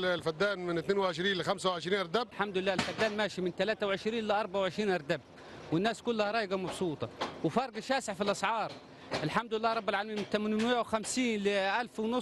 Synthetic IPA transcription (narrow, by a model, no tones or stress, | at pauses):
lfad̪ːaːnmɪnt̪neːnwɪʕɪʃɾiːnlɪxamsawʕɪʃɾiːnʔɑɾˤd̪ab̚lħamd̪ʊlɪlːaːʔɪlfad̪ːaːnmaːʃimɪnt̪alaːt̪awʕɪʃɾiːnlɪʔɑɾˤbaʕawʕɪʃɾiːnʔɑɾˤd̪ab̚ | wɪnːaːskʊlːahaɾˤɑːjɡɑmɑbsˤuːt̪ˤɑwɪfɑɾˤɡaʃaːsɪʕfilʔɑsʕɑːɾˤ | ʔɪlħamd̪ʊlɪlːaːɾˤɑbːɪlʕaːlamiːmɪnt̪amnwɪmjawxamsiːnlɪʔalfwɪnʊ